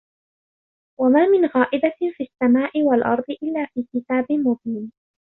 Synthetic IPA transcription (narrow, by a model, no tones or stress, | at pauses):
wamaːmɪnɣaːʔɪbafiʔasːamaːʔɪwalʔɑ̰ɾˤd̪ˤɨʔɪlːaːfiːkɪt̪aːbɪmʊd̪ɪm